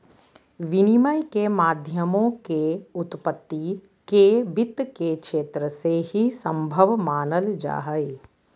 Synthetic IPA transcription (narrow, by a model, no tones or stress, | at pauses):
ʋɪnɪməjkemaːd̪ʱjəmõkeʊt̪pət̪ːi | kebɪt̪ːkekʃeːt̪ɾəsehisə̃mbʱəʋmaːnəld͡ʒa̰ːɦəe